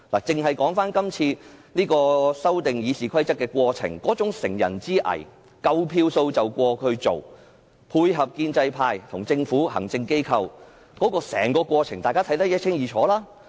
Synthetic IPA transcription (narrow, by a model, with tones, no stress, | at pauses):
laː˨˩t͡sɪ˨ŋɦɐ˨jkɔː˨˥ŋfaː˥nkɐ˥mt͡sʰiː˧niː˥kɔː˧sɐ˥wt̪ɪ˨ŋjiː˨˧siː˨˩kʰɐ˥jt͡sɐ˥k̚ːɛː˧kʷwɔː˧t͡sʰɪ̰˨˩ŋkɔː˨˥t͡sʊ˨˥ŋsɪ̰˨˩ŋjɐ̰˨˩nt͡siː˥ʔɐ̰˨˩j | kɐ˧wpʰiː˧wso˧wt͡sɐ˨wkʷɔː˧kʰɵ˨˧ɥt͡so˨w | pʰuː˧jɦɐ˨p̚kiː˧nt͡sɐ˧jpʰaː˧jt̪ʰʊ˨˩ŋt͡sɪ˧ŋfuː˨˥ɦɐ̰˨˩ŋt͡sɪ˧ŋke˥jkʰɐ˨˧w | kɔː˨˥kɔː˧sɛ̰ː˨˩ŋkɔː˧kʷɔː˧t͡sʰɪ˨˩ŋt̪aː˨jkaː˥t̪ʰɐ˨˥jt̪ɐ˥jɐ˥t̚t͡ʃʰɪ˥ŋjiː˨˩t͡ʃʰɔː˨˥laː˥